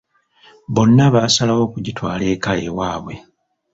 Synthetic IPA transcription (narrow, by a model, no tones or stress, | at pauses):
βo̞nːaβasalawo̞ːkuɟitwaːle̞ːkajḛwaːβwe̞